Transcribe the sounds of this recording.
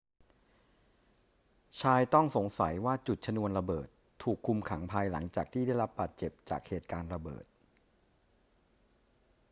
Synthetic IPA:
t͡ɕʰaː˧jt̪ɔ˥˩ŋso˩˦ŋsa̰˩˦jwaː˥˩t͡ɕu˨˩t̪̚t͡ɕʰa˧nu˧ənɾa˧bɤː˨˩t̪ʰːuː˨˩kʰːu˧mkʰa˩˦ŋpʰaː˧jla̰˩˦ŋt͡ɕaː˨˩k̚t̪ʰiː˥˩a˥˩jɾa˦˥p̚baː˨˩t̪̚t͡ɕe˨˩p̚t͡ɕa̰ː˨˩k̚heː˨˩t̪̚kaː˧nɾa˧bɤ̰ː˨˩t̪̚

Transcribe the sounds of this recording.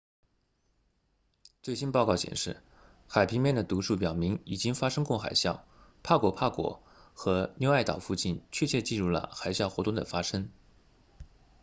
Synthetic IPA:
t͡swe˥˩ɪɕi˥npɑ˥˧kɑ˥˩ʊɕjɛ̰˨˩nʂɻ̩˥˩ | xa˨˩ɪpʰi˧˥ŋmjɛ˥˩nd̪ə˩t̪u˧˥ʂu˥˩pjɑ˨˩ʊmi˧˥ŋi˨˩t͡ɕi˥ŋfa˥ʂɤ˥ŋkʊ˥˩ŋxa̰˨˩ɪɕjɑ˥˩ʊ | pʰa˥˩kwɔ˧˨˥pʰa˥˩kwɔ̰˨˩˥ | xɤ˧˥njo˥˧ʊa˥˩ɪt̪ɑ̰˨˩ʊfu˥˧t͡ɕi˥˩nt͡ɕʰɥɛ˥˧t͡ɕʰɛ˥˧t͡ɕi˥˧ɻu˥˩lə̰˩xa˨˩ɪɕjɑ˥˩ʊxwɔ˧˥t̪ʊ˥˩ŋd̪ə̰˩fa˥ʂɤ˥ŋ

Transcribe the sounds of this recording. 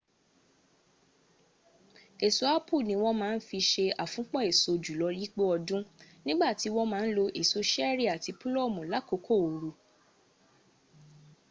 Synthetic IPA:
e˨so˨a˦pʰu˦˨nĩ˧wɔ̃˦mãː˦˧n̩˦fi˧ʃe˧a˨fũ˨˦k͡pɔ̃˦e˨so˧d͡ʒu˨lɔ˨˧li˦k͡po˦ɔ˧dũ˦nĩ˦ɡ͡ba˦˨ti˨˦w̃ɔ̃˦mãː˨˦n̩˦lo˧ʔe˨so˧ʃɛ˦ɾi˦˨a˨ti˨˧pu˦lɔ˦˨mũ˨la˨˦ko˨˦kʰo˦˨o˨ɾu˧

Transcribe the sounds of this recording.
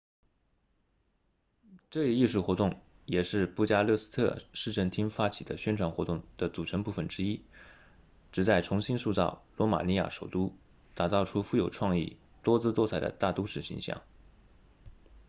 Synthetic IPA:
ʈ͡ʂɤ˥˧i˥˧i˥˧ʂu˥˩xwɔ˧˥t̪ʊ˥˩ŋ | jɛ˨˩ʂɻ̩˥˧pu˥˩t͡ɕja˥lɤ˥˩s̩˥t̪ʰɤ̰˥˧ʂɻ̩˥˧ʈ͡ʂʰə˥˩nt̪ʰi˥ŋfa˥t͡ɕʰi˨˩d̪ə̰˦ɕɥɛ˥nʈ͡ʂʰwa˧˥ŋxwɔ˧˥t̪ʊ˥˩ŋd̪̥ə˩t͡su˨˩ʈ͡ʂʰɤ˧˥ŋpu˥˩fə˩nʈ͡ʂɻ̩˥i˥ | ʈ͡ʂɻ̩˧˩t͡sa˥˩ɪʈ͡ʂʰʊ˧˥ŋɕi˥nsu˥˧t͡sɑ̰˥˩ʊlwɔ˧˥ma̰˨˩ni˧˥ja̰˥˩ʂo˨˩ʊt̪u˥ | t̪a˨˩t͡sɑ˥˩ʊʈ͡ʂʰu˥fu˥˩jo˨˩ʊʈ͡ʂʰwɑ˥˧ŋḭ˥˩ | t̪wɔ˥t͡sɹ̩˥t̪wɔ˥t͡sʰa˥˩ɪd̪ə̰˧˦t̪a˥˩t̪u˥ʂɻ̩˥˩ɕḭ˧˥ŋɕjɑ̰˥˩˦ŋ

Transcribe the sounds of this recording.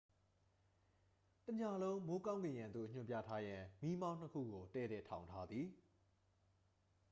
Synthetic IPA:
tə˨ɲa˨lõ˦ʊ̃mo˦kã˦ʊ̃ŋɡẽ˨jã˨nd̪o̰˦˨ɲ̥ʊ̃˦mpja̰˦˨tʰa˦jã˨mi˦mã˦ʊ̃n̥əkʰṵ˦˨ɡo˨tɛ̰˦˨ɾɛ˦˨tʰã˨ʊ̃ntʰa˦d̪ði˨

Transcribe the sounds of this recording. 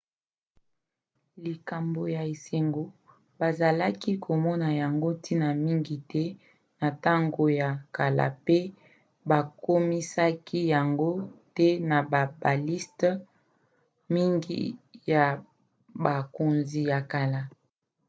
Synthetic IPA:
li˨ka˨mbo˨ja˨e˨se˨ŋɡo˨ | ba˨za˨la˦ki˦kʰo˨mɔ˦na˨ja˨ŋɡo˦tʰi˦na˨mi˦ŋɡi˨tɛ˦ | na˨ta˦ŋɡo˨ja˨ka˨la̰˨pe˦ | ba˨ko˦mi˦sa˦kʰi˦ja˨ŋɡo˦tɛ˦na˨ba˨ba˨li˦st | mi˦ŋɡḭ˨˦ja˨ | ba˨ko˨nzi˨ja˨ka˨la˨

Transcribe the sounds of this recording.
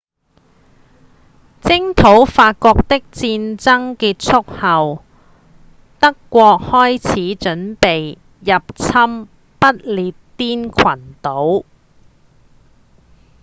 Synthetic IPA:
t͡sɪ˥ŋt̪ʰo˨˥wfaː˧t̚kɔː˧k̚t̪ɪ˥k̚t͡siː˧nt͡sɐ˥ŋkiː˧t̚t͡sʰʊ˥k̚hɐ˨w | t̪ɐ˥kːʷɔː˧k̚hɔː˥jt͡sʰiː˨˥t͡ʃɵ˨˥npe˨j | jɐ˨p̚t͡sʰɐ˥m | pɐ˥t̚liː˧tt̪iː˥nkʰɐ˨˩nt̪o˨˥w

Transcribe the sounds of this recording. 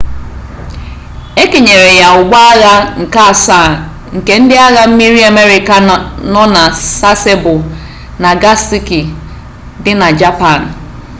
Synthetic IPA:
e˦ke˨ɲe˨ɾe˨ja˨ʊ˨ɡ͡bʷa˦a˦ɣa˦ŋ̩˨ka˦a˨sa˦˨ | ŋ̩˨ke˨n̩˦dɪ˦a˦ɣa˦m̩˦mi˦ɾi˦a˨me˦ɾi˨ka˨nɔ˦na˨sa˦se˦bʊ˨ | na˨ɡa˦si˦ki˨ | dɪ˦na˨d͡ʒa˦pa˦˨n̩˨

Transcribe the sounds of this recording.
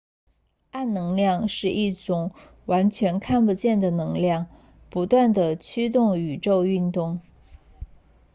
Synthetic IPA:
a˥˩nnɤ˧˥ŋljɑ˥˧ŋʂɻ̩˥˧ʔi˥˩ʈ͡ʂʊ˨˩ŋ | wa˧˥nt͡ɕʰɥɛ˧˥nkʰa˥˧npu˥˧t͡ɕjɛ˥˩nd̪ə˩nɤ˧˥ŋljɑ˥˩˧ŋ | pu˧˥t̪wa˥˩nd̪ə˩t͡ɕʰy˥t̪̬ʊ˥˩ŋy˨˩ʈ͡ʂo˥˧ʊy˥˧nt̪ʊ˥˩ŋ

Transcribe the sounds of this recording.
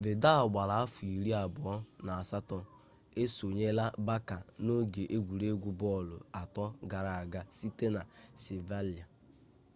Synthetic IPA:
bɪ˨da˦˨ɡ͡ba˨la˨a˦fu˨i˨ɾi˦a˨bʊ˨ɔ˦na˨a˨sa˦tɔ˨ | e˦so˨ɲe˦la˦ba˦ka˨no˦ɡe˨ʔe˦ɡʷu˨ɾe˦ɡʷu˦bɔ˦˨lʊ̰˨a˨tɔ˦ɡa˨ɾa˨a˨ɡa˦si˦te˦na˨se˨va˦li˨a˨

